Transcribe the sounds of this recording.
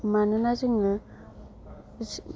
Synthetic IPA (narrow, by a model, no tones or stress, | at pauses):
manɯnazɯŋɯ